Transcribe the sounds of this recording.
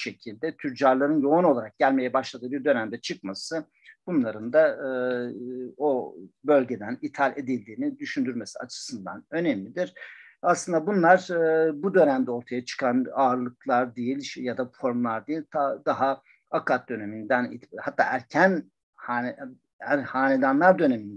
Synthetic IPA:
ʃe̞cʰilʲd̪ɛt̪ʰyɾd͡ʒaɾlˠaɾɯnjo̞uno̞lˠaɾak̚ɟælʲme̞jɛbaʃlˠad̪ɯːbiɾd̪ø̞næmd̪ɛt͡ʃʰɯk̚masɯ | b̥unlˠaɾɯnd̪aɯ | obø̞lʲɟe̞d̪ænit̪ʰalʲe̞d̪ilʲd̪iːnid̪yʃynd̪yɾme̞sia̰t͡ʃʰɯ̥sɯnd̪a̰nø̞nemlʲid̪iɾ̥aslˠɯnd̪abunlˠaɾɯbud̪ø̞næmd̪ɛo̞ɾt̪ʰajat͡ʃʰɯ̥kʰanaːɾlˠɯklˠaɾd̪ijilʲʃjad̪afo̞ɾmlˠaɾd̪ijilʲt̪ʰd̪aɦa | akʰat̪̚d̪ø̞ne̞mind̪ænit̪hat̪ːa̰ːʔæɾcʰæn | ha | æɾhaːned̪anlˠaɾd̪ø̞nemind̪

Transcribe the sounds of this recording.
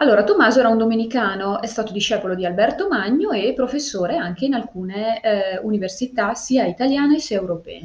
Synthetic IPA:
alːoːɾat̪omːaːzoɛːɾaund̪omenikaːnoʔɛst̪aːt̪od̪iʃɛːpolod̪ialbɛrt̪omaɲːoepːɾofesːoːɾeaŋkeinalkuːneuniversit̪asiːait̪aljaːneesiaewɾopɛ̰ː

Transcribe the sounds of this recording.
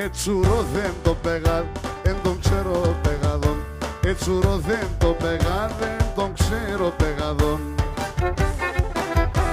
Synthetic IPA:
et͡ʃuɾoðent̪opeɣaðent̪õŋkseɾopeɣaðon | et͡ʃuɾoðent̪opeɣaðend̪õŋkseɾopeɣaðon

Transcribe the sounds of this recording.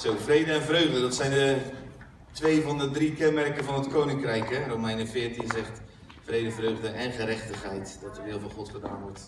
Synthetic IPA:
sowfreːdəɛnvrøɥɣdədɔtsɛjndə | tʋeːvɔndədrikɛnmɛrkəvɔnətkoːnɪŋkrɛjkɛrowmɛjnəfɪːrtinzɛχt | frejdəvrøːɣdəʔɛnχəɾɛχtəχhɛjtd̥ɔtərdɪːlˠvɔnχɔtχəda̰ːnʋɔɹt

